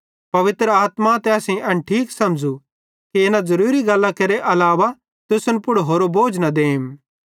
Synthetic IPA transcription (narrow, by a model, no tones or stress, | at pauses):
pɐʋɪt̪ɾəaːt̪mat̪ɛɐsẽʔɐnʈʰiːksɐmd͡ʒu | kiɪnãzɐɾuːɾiɡɐlːakɐɾeʔɐlaːʋa | t̪ʊsʊnpʊɽɦoːɾoboːd͡ʒnad̪eːɪm